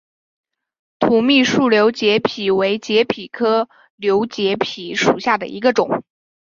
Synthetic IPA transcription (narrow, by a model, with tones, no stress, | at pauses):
t̪ʰu˨˥mi˥˧ʂu˥˩ljo˧˥ʊt͡ɕjɛ˧˥pʰi˨˩we˧˥ɪt͡ɕjɛ˧˥pʰi˨˩kʰɤ˥ | ljo˧˥ʊt͡ɕjɛ˧˥pʰi˨˩ʂu˨˩ɕja˥˩d̪ə̰˩ʔḭ˧˥ɡə˧ʈ͡ʂʊ˨˩˦ŋ